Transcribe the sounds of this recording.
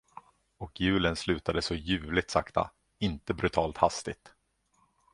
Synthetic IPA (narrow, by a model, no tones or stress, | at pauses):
ɔkjʉ̟ːlənslʉ̟ːt̪ad̪əsɔjʉ̟ːlɪt̪sakt̪a̰ | ɪnt̪əbɾɵt̪ʰɑːlt̪hast̪ɪt̪